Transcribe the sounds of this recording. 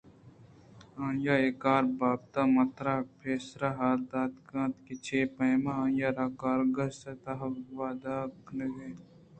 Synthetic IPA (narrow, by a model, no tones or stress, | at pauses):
ãːjaːeːkaːɾbaːb̚t̪amɐt̪ɾaːpʰeːsɾaɦaːɾd̪aːd̪kãːt̪kit͡ʃʰeːpɐjmaãːjaːɾakaːɾɡɐsset̪ɐɦɐʋaːd̪aːknəɡeː